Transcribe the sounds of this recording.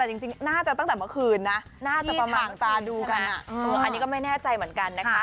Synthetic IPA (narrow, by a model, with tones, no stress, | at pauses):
t̪ɛː˨˩t͡ɕi˧ŋt͡ɕi˧ŋnaː˥˩t͡ɕa˨˩t̪a˥˩ŋt̪ɛː˨˩mɯ˥əkʰɯː˧nːa˦˥ | naː˥˩t͡ɕa˨˩˥pmaː˨˩ŋt̪aː˧duː˧ka˧nʔa˨˩˧ʔa˧niː˦˥kɔ˥˩ma˥˩jnɛː˥˩t͡ɕa˧jmɯ˩˦ənka˧nːa˦˥a˦˥